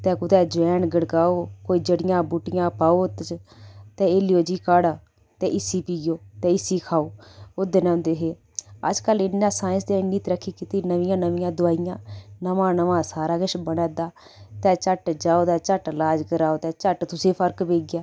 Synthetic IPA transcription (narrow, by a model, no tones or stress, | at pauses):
t̪ɛ̃ːkʊt̪ɛːd͡ʒɛːnɡəɽɡaːoːkoːiːd͡ʒəɽɪjãːbuʈɪjãːpaːoːt̪t͡ʃt̪ɛ̃ːeːlɪjoːd͡ʒiːkaːɽaː | t̪ɛ̃ːʔɪsiːpiːɡjoːt̪ɛ̃ːɪsiːkʰaːoːʊd̪eːnɛ̃ʊ̃nd̪eːɦeː | ə̰d͡ʒkəlɪnːãːsaːɪ̃sd̪ẽːɪnːiːt̪ɾəkʰːiːkɪt̪iːnəʋɪjãːnəʋɪjãːd̪ʊaːɪjãːnəʋãːnəʋãːsaːɾaːkɪʃbənɛːd̪aː | t̪ɛːt͡ʃəʈd͡ʒaːoːd̪ɛːt͡ʃəʈlaːd͡ʒkəɾaːoːt̪ɛːt͡ʃəʈt̪ʊsẽːpʰəɾkbeːɡɪjaː